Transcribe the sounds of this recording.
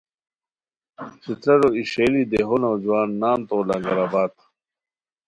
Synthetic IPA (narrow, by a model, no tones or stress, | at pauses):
sit̪ɾɐɾoiɕeːlid̪eɦonoːd͡ʑuwaːnːaːnt̪oːlɐŋɡɐɾabaːt̪